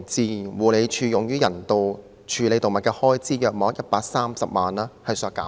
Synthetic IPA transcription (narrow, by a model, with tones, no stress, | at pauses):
t͡siː˨˧wuː˨˩le˨˧jt͡ʃʰyː˨˧jʊ˨ŋjyː˥jɐ˨˩nt̪o˨w | t͡ʃʰyː˨˧le˨˧jt̪o˨ŋmɐ˨t̚kɛː˧hɔː˥jt͡siː˥jœː˨˧k̚mɔː˨˥k̚jɐ˥t̚paː˧k̚saː˥msɐ˨p̚maː˨naː˥hɐ˨jsœː˨˧kːa̰ː˨˦